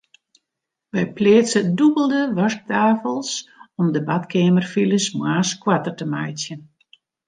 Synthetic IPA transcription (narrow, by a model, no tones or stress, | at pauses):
ʋɛjpleːsədubəlˠdəʋɔrk̚taːfəlˠsɔmdəbatkeːmərfiləsmwaːskwatərtəmajtjən